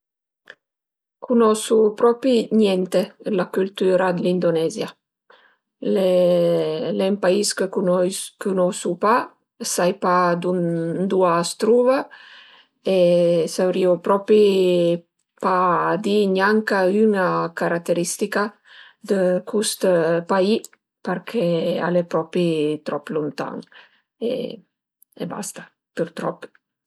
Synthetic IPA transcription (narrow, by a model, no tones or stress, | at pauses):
kunɔsupɾɔpiɲjɛnt̪elakylt̪yɾad̪lind̪onɛzja | le | lɛmpaiskəkukunɔsupa | sajpad̪und̪uast̪ɾuva | esawɾiopɾɔpi | pad̪iɲaŋkayŋakaɾat̪eɾist̪ika | d̪əkust̪pai | pəɾkʰea̰lepɾɔpɾit̪ɾɔplunt̪a̰ŋ | ḛ | ḛba̰st̪ḁ | pəɾt̪ɾɔp